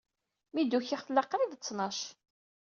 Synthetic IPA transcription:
mid̪uçiχlɑqːɾid̪t͡sːnɑʃ

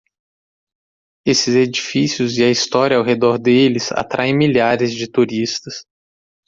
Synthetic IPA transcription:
esɪzed͡ʒifisijʊzɪɐist̪ɔɾʲjɐawɦed̪ɔɾd̪elɪza̰t̪ɾʔaẽj̃miʎaɾɪzd͡ʒɪt̪uɾist̪ɐs

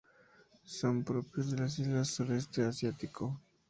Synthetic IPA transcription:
sonpɾopɾjozd̪e̞lasizlasuɾest̪easjat̪ikʰo

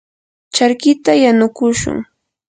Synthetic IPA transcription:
t͡ʃaɾkɪt̪ajanʊkʊʃʊ̰ŋ

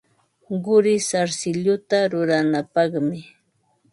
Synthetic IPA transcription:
ɢʊɾɪsaɾsɪʎʊt̪aɾʊɾanapɑχmɪ

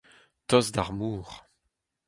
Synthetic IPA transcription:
tɔzd̪aʁmuːʁ

